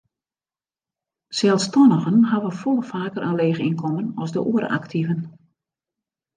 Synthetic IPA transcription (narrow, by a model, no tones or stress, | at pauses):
sɛlˠstɔnəɣənɦaʋəfolˠfaːkəɾʔanleːɣinkʰɔmənɔzdə̰ʔuəɾə̰ʔa̰ktʰivən